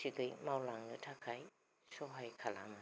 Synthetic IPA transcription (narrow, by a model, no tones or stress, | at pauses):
sʰiɡɯjmawlaŋɡɯtʰakʰaj | soɦajkʰala̰ma